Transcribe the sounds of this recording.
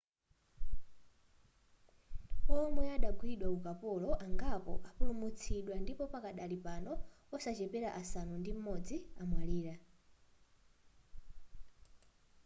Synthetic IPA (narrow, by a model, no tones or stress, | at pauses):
ɔmwɛaɗaɡwiɗwakukapɔlɔʔaŋɡapɔ̰ʔapulumut͡sʰiɗwandipɔpakaɗalipanɔ | ɔsat͡ʃɛpɛɾaʔasanundim̩mɔd͡ziamwaliːɾa